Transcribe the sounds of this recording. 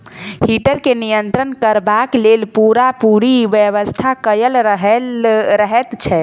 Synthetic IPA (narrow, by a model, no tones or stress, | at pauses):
hiʈəɾkenijənt̪ɾənkəɾbaklelpuɾapuɾiʋjəʋəst̪ʰakəjəlɾəɦɛlɾəɦɛt̪t͡ʃʰɛ